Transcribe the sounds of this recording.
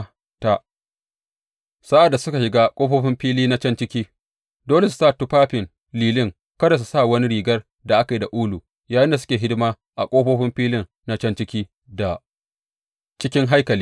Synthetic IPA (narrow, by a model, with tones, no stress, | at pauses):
ta˨ʔ | sa˦ʔa˨dːa˨sʊ˦ka˨ʃɪ˨ɡaː˦kʷʼoː˦ɸoː˦ɸɪ˦mɸiː˦liː˦na˦t͡ʃɐ˦nt͡ʃɪ˦kʲiː˦ | doː˦le˨s̬u̥˨taː˦˨tu˦paː˦ɸɪ˨n | liː˨lɪ˦ŋ | kɐ˦da˨s̬u˨sa˦˨wɐ˦ni˦ɽiː˨ɡɐ˦r | da˨ʔa˦ka˨ji˨da˨ʔuː˦lu˨ | jaː˨jɪ˦nda˨s̬ʊ˦kʲeː˨ɦɪ˦dɪ˦maː˦ | ʔa̰˨kʷʼoː˦ɸoː˦ɸɪ˦mɸiː˦lɪ˦ŋ | na˦t͡ʃɐ˦nt͡ʃɪ˦kʲiː˦ | da˨ | t͡ʃɪ˦kʲɪ˦ŋɦa˦jkɐ˨liː˦